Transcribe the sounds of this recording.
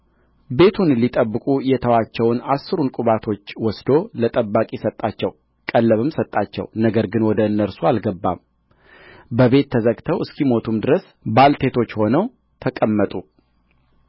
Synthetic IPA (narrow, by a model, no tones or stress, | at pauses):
be̞t̪ʰunlit̪ʼəbːɨkʼujɛt̪ʰəwat͡ʃːɛwnasɨɾunkʼuβat̪ʰo̞t͡ʃːwɔsd̪olət̪ʼəbːakʼisət̪ʼːat͡ʃːɛw | kʼəlːəβɨmsət̪ʼːat͡ʃːɛ̰wnəɡəɾɡɨnwɔd̪əɨnːəɾsualɡəbːa̰m | bəβe̞t̪ʰːəzəɡt̪ʰəwʔɨskʰimo̞t̪ʰumd̪ɨɾəs | balt̪ʰe̞t̪ʰo̞t͡ʃːho̞nəw | t̪ʰəkʼəmːət̪ʼu